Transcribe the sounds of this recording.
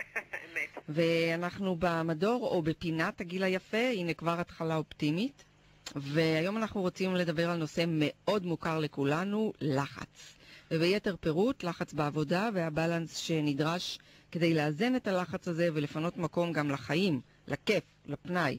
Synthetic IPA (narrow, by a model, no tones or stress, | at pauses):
emetve̞anaχnubamado̞ʁo̞be̞pinataɡilajafe̞inekvaʁatχalao̞ptimit | ve̞ajo̞manaχnuʁo̞t͡simle̞dabe̞ʁalno̞se̞me̞o̞dmukaʁlekulanulaχa̰t͡svebejete̞ʁpe̞ʁutlaχat͡sbeavo̞daveabalansʃe̞nidʁaʃke̞dejleazene̞talaχat͡saze̞ve̞lefano̞tmako̞mɡamlaχaim | lʔake̞f | lapnaj